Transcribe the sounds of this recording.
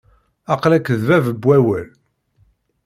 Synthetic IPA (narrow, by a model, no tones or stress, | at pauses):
ɑqlækːəðvævəbwæwəl